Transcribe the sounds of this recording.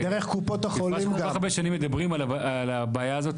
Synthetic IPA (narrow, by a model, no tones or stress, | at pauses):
deʁeχkupot̪aχolaimaaʁbeʃanimːed̪abʁimalalabaajaːzo̞t